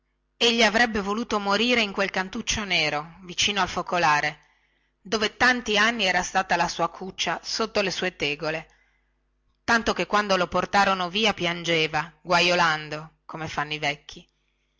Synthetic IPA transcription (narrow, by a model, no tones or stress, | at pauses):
eʎːiavɾɛbːevoluːt̪omoɾiːɾeiŋkwelkant̪ut͡ʃːoneːɾovit͡ʃiːnoalfokolaːɾe | d̪oːvet̪ant̪ianːiɛːɾast̪aːt̪alasuːakʰut͡ʃːasot̪ːolesuːet̪eːɡole | t̪ant̪okekːwand̪oloport̪aːɾonoviːapjand͡ʒeːvaɡwajoland̪okomefanːoivɛkːi